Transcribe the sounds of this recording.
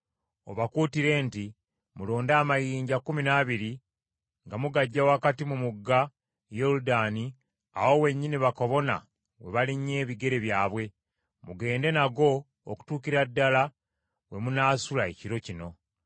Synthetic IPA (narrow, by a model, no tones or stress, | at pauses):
o̞̰βakuːtiɾe̞ːnti | mulo̞ːndaːmajiːɲɟakuminaβiɾi | ŋɡamuɡaɟːawakatimumuɡːa | joludani | a̰wo̞we̞ɲːiniβako̞βo̞na̰ | we̞βaliɲe̞ːβiɡe̞ɾe̞βjaːβwe̞ | muɡe̞ːnde̞naɡo̞̰ː | ku̥tuːkiɾadːala | we̞munaːsulae̞̰ciɾo̞cino̞